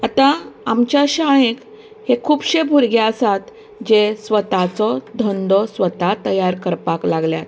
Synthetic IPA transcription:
at̪ãamt͡ɕjaɕãẽk | hekʰuːbɕebʱuɾɡjaəsat̪ | d͡ʑesʋət̪at͡sɔd̪ʱɔnd̪ɔsʋət̪at̪əjaɾkəɾpaklaɡljat̪

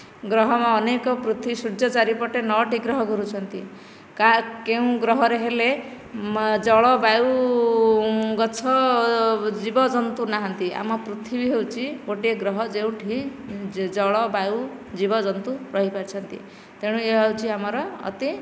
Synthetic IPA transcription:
ɡɾɔɦɔmaːnekɔpɾut̪ʰwisud͡ʒʌt͡ʃaɾipɔʈenɔʈʰiɡɾɔɦɔɡɔɾut͡ʃʰʌnt̪i | kakeũɡɾɔɦɔɾeɦele | d͡ʒɔɭɔbajw | ɡɔt͡ʃʰɔ | d͡ʒibɔd͡ʒɔnt̪unaɦʌnt̪ia̰mɔpɾut̪ʰibiɦewt͡ʃʰiboʈieɡɾɔɦɔd͡ʒew̃ʈʰĩ | d͡ʒɔɭɔbajw | d͡ʒibɔd͡ʒɔnt̪uɾʌɦipaɾit͡ʃʰʌnt̪ḭ | t̪eɽ̃ũeawt͡ʃʰiamɔɾɔ̰ːt̪i

